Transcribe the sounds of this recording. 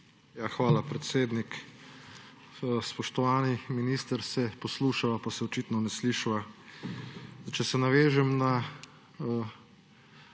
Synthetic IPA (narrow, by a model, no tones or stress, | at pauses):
jaxʋaːlapɾɛt̪seːd̪nik | spɔʃt̪ɔʋaːniminist̪əɾsɛpɔsluːʃaʋapasɛɔt͡ʃit̪nɔnɛsliːʃʋa | t͡ʃɛsɛnaʋeːʒɛmna | ə